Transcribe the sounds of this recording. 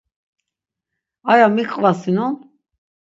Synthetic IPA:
ajamikʼvasinɔn

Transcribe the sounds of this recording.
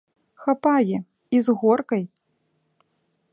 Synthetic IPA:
xapajɛ | izɣɔrkɐj

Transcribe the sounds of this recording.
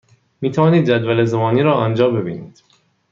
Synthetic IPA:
miːt̪ʰævɒːniːd̪̚d͡ʒæd̪vælezæmɒːniːɾɒːʔɒːnd͡ʒɒːbe̞biːnḭːd̪̥

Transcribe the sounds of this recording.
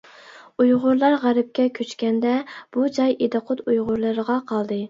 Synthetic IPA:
ujʁʊɾlˠɑɾʁæɾɪp̚kʲɛkʲʰøt͡ʃkʲɛnd̪ɛb̥ud͡ʒɑjed̪ɨqʰʊt̪ujʁʊɾlˠɨɾəʁɑqʰɑlˠd̪ɨ

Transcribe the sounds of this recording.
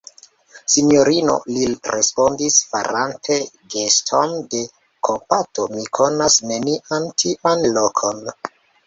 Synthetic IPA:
sinjo̞ɾino̞̰liɾʔḛspo̞ndisfa̰ɾantʰe̞ɡe̞stʰo̞nde̞ | kʰompato̞mikʰo̞nasne̞niʔantʰiʔanlokʰo̞n

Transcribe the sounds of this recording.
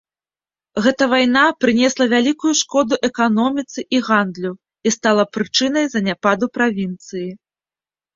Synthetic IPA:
ɣɛt̪ɐvajnapɾɨnʲɛslˠɐvʲalʲikujuʂkɔd̪uʔɛkanɔmʲit̪sɨʔiɣand̪lʲu | ist̪alˠɐpɾɨt͡ʂɨnɐjzɐnʲapad̪upɾavʲint̪sɨji

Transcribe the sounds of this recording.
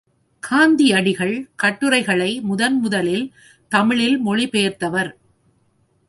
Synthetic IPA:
kʰaːnd̪iɐɽɪɣɐɭkɐʈːɯɾɐɪɣɐɭɐɪmʊðɐnmʊðɐlɪl | t̪ɐmɪɭɪlmɔɭɪpejɐɾt̪ɐʋɐɾ

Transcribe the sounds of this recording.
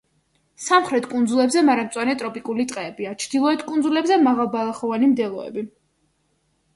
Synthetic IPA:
samχɾɛt̪ʰkʼund̪zulɛbzɛmaɾamt̪sʼwanɛt̪ʼɾɔpʼikʼulit̪ʼqʼɛːbiat͡ʃʰd̪̥ilˠɔɛt̪ʰkʼund̪zulɛbzɛmaʁalˠbalˠaχɔvanimd̪ɛlˠɔɛ̰bi

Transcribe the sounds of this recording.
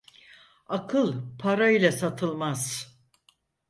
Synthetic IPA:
akʰɯlˠpʰaɾailʲɛsat̪ʰɯlˠmaz̥

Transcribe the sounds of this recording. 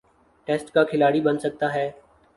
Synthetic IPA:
ʈeːsʈkaːkʰɪlaːɽibənsək̚t̪aːɦɛː

